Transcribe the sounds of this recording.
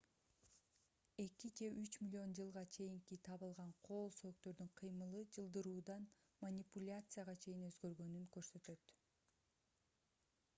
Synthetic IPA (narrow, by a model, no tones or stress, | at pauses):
e̞kid͡ʒeʔyt͡ʃmʲɪlʲo̞nd͡ʒɯlˠʁɑt͡ʃʰe̞jiŋkit̪ʰɑβɯlˠʁɑɴqʰo̞ːlˠsøːkt̪ø̞ɾd̪yɴqʰɯjmɯlˠɯd͡ʒɯlˠd̪ɯɾuːd̪ɑn | mɐnʲipulʲat̪sɨjaʁɑt͡ʃʰe̞jinø̞zɡø̞ɾɡø̞nyŋkø̞ɾsø̞t̪ø̞t̪